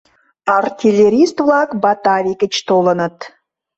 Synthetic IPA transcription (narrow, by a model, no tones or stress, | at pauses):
ɑrt̪ʲʰilʲeɾʲist̪vlˠɑkbɑt̪ɑvʲikə̆t͡ʃt̪olˠə̆nə̆t̪